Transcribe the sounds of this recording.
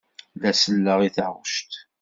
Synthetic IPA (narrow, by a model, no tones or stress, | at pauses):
læsəlːəʁiθəʁəʃt̪